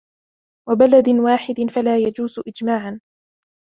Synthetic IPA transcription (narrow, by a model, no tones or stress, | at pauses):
wabalad̪ɪnwaːħɪd̪ɪnfalaːjad͡ʒuːzʔɪd͡ʒmaːʕan